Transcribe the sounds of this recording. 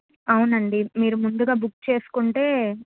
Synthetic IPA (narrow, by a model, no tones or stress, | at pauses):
ɐwunɐɳɖimiːɾumund̪uɡaːbukt͡ʃe̞ːsu̥kuɳʈe̞ː